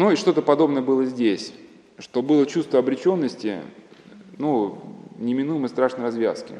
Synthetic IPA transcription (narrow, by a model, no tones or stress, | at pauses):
nuɪʂt̪o̞t̪əpɐd̪o̞bnəjəbɨlˠəzʲdʲesʲ | ʂt̪o̞bɨlˠət͡ɕust̪vəɐbɾʲɪt͡ɕo̞nːəsʲtʲɪ̰ | nunʲɪmʲɪnujɪmɨst̪ɾaʂnəɪrɐzvʲa̰skʲɪ̰